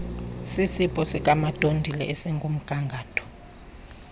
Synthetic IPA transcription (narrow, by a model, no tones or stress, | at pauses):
sisipʼɔsikʼamad̥ʼʱondʱilɛ̰ʔɛsiŋɡʱum̩ɡ̥ʱaŋɡʱaːtʰʼɔ̥